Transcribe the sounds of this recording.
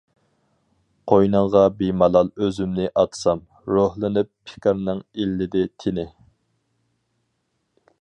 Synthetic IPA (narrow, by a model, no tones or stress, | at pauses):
qʰojnɨŋʁɑbimɑlˠɑlˠøzymnɪʔɑt̪ʰsɑm | ɾohlˠɨnɨpːʰɪ̥kʲɑɾnɨŋilːɪd̪ɪt̪ʰɪnɪ